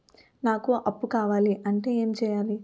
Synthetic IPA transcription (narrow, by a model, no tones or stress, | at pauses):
naːkuʔɐpːukaːʋaːliʔɐɳʈe̞ːeːmt͡ʃɛːjaːli